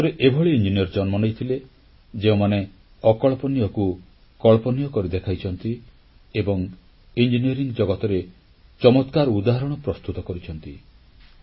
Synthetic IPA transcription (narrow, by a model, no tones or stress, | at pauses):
t̪ɔɾeʔebʱɔɭiind͡ʒinijɔɾd͡ʒɔnmɔnejt̪ʰile | d͡ʒeũmane | ɔkɔɭpɔnijɔku | kɔɭpɔnijɔkɔɾid̪ekʰajt͡ʃʰɔnt̪i | ebɔŋ | ind͡ʒiniɔɾiŋɡd͡ʒɔɡɔt̪ɔɾe | t͡ʃɔmɔt̪kaɾud̪aɦaɾɔɽ̃ɔpɾɔst̪ut̪ɔkɔɾit͡ʃʰɔn̪t̪i